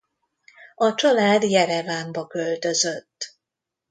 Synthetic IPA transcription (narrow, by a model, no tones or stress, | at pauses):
ɒt͡ʃɒlaːd̪jɛɾɛvaːmbɒkølt̪ø̞zøt̪ː